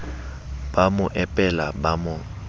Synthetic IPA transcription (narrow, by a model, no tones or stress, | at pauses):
b̥amʊʔɛpʼɛla̰bamʊ